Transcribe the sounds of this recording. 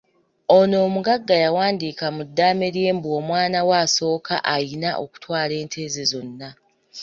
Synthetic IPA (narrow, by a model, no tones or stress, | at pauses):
o̞no̞ːmuɡaɡːajawaːndikamudːaːme̞ɾje̞ːmbuo̞mwaːnawaːso̞ːkʰa̰ʔajinaʔo̞̰ku̥twaːle̞ːntʰe̞ːzezo̞nːa